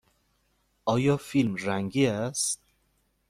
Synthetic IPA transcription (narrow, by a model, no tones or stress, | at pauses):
ɒːjɒːfilmræŋɡiæst̪